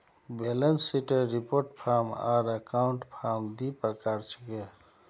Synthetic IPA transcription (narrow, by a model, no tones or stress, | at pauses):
belənsiʈeɾipoɾʈpʰaɾma̰ɾəkauɳʈpʰaɾmd̪ipɾəkaɾt͡ʃʰi̥ke